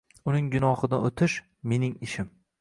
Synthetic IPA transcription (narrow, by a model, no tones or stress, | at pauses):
ʊnɪŋɡʊnɒhɨd̪aot̪ʰɪʃ | me̞nɪŋɪʃɪm